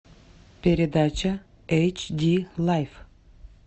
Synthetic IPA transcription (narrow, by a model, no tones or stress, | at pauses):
pʲeɾʲɪd̪at͡ɕɐ | ejt͡ɕd̪ʲilˠajf